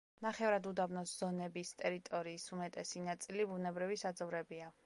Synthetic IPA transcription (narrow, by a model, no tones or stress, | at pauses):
naχɛvɾad̪ud̪abnɔsz̥ɔnɛbist̪ʼɛɾit̪ʼɔɾiːsumɛt̪ʼɛsinat̪sʼilibunɛbɾivisad̪zɔvɾɛbia